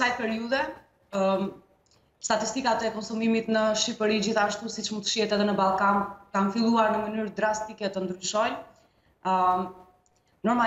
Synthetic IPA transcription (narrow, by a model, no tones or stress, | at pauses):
sajpɛɾiuðɛ | st̪at̪ist̪ikat̪ɛkɔnsumimit̪nəʃipəɾid͡ʑiθaʃt̪usit͡ʃmut̪ə̥ʃihɛt̪ɛðɛnəbalˠkankanfilˠuaɾnəmənyɾd̪ɾast̪ikɛt̪ənd̪ɾyʃɔj | ə | nɔɾma